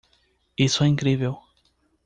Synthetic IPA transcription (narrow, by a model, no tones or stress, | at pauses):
isʊɛĩŋkɾivɛw